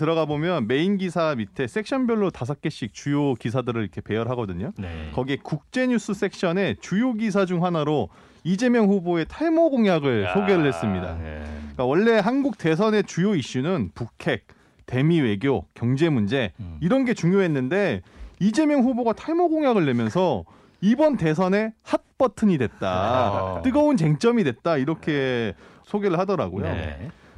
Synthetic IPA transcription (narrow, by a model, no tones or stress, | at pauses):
tɯɾʌɡabomjʌnme̞inɡisʰamitʰe̞s͈ʰe̞k̚ɕ͈ʰʌnbjʌɭːotas̬ʰak͈̚e̞ɕ͈ik̚t͡ɕujokisʰadɯɾɯɾikʰe̞pe̞jʌɾɦaɡʌdɯɲokʌɡiekuk̚t͡ɕ͈e̞ɲus͈ʰɯs͈ʰe̞k̚ɕ͈ʌne̞t͡ɕujoɡis̬ʰad͡ʑuŋɦanaɾo | id͡ʑe̞mjʌŋɸuboe̞tʰaɭmoɡoŋjaɡɯɭsʰoɡe̞ɾɯɭɦe̞s͈ɯmɲida̰k͈awʌɭːe̞ɦanɡuk̚te̞s̬ʰʌne̞t͡ɕujoiɕ͈unɯnpukʰe̞k̚ | te̞miwe̞ɡjokjʌŋd͡ʑe̞mund͡ʑe̞iɾʌnɡe̞t͡ɕuŋjoɦe̞nːɯnde̞id͡ʑe̞mjʌŋɸuboɡatʰaɭmoɡoŋjaɡɯɭːe̞mjʌnsʰʌ | ibʌnte̞s̬ʰʌne̞hat̚p͈ʌtʰɯɲidwe̞t̚t͈at͈ɯɡʌunt͡ɕe̞ŋt͡ɕ͈ʌmidwet̚t͈aiɾʌkʰe̞ | sʰoɡe̞ɾɯɭhadʌɾa̰ɡojo̰